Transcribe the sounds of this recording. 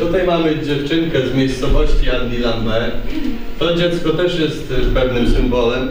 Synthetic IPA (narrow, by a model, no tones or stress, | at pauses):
t̪ut̪ajmamɘd͡ʑɛft͡ʂɘŋkɛzmʲjejst̪sɔvɔɕt͡ɕiad̪ʲilanb̪ɛ | fɾɔd͡ʑɛt̪skɔt̪ɛʂjɛst̪pɛvnɘmsɨmbɔlɛm